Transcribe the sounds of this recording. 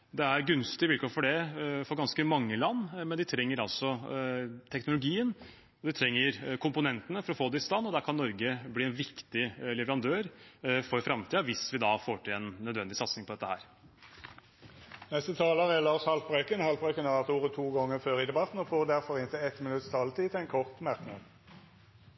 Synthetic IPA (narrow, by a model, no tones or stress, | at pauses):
d̪ɛæɾɡʉnst̪ɪʋɪlkʰoːɾfɔɖɛfɔɾɡɑnskəmɑŋːəlɑnːmɛnd̪ɪt̪ʰɾɛŋːəɾɑlsɔ | t̪ʰɛknʊlʊɡiːən | ɔd̪ɪt̪ʰɾɛŋːəɾkʰʊmpʊnɛnt̪ənəfɔɾɔfoːd̪ɛɪst̪ɑnːɔd̪ækʰɑnːɔɾɡəbliːɛnʋɪkt̪ɪlɛʋəɾɑnd̪øːɾfɔɾfɾɑmt̪ʰiːɑʋɪsʋɪd̪ɑfoːʈʰɪlɛnːœd̪ʋɛnd̪ɪsɑt̪snɪŋpʰɔd̪ɛt̪ːəhæ̰ːɾ | nɛst̪ət̪ʰɑːləʁɛlɑːʂhɑlt̪̚bʁøkənhɑlt̪̚bʁøkənæʁʋæʁt̪uːʁət̪ʰuːɡɔŋːəføːɾɪd̪ɛbɑt̪n̩ɔfoːʁd̪æʁfɔʁɪnt̪ʰɪɛt̪mɪnʉt̪st̪ʰɑːlt̪ʰiːt̪ʰɛnkʰɔʁt̪mɑʁknɑd̪